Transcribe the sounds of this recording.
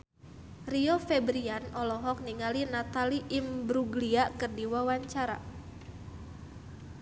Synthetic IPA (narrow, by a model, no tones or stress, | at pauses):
riɔfɛbɾianɔlɔɦɔk̚niŋalinat̪aliʔimbɾuɡliakɨrdiwawaɲt͡ʃaɾa̰